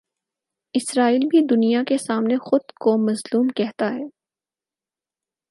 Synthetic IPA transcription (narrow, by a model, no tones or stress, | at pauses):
ɪsɾaːiːlbʱid̪ʊnijakesaːmnexʊd̪komɐzluːmkɛɦt̪aɦɛː